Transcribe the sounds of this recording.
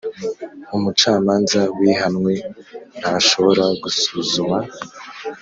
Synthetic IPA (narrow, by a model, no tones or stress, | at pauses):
umut͡ʃaːmaːnzawiɦanŋwe̞n̥haʃo̞βo̞ɾaɡusuzuma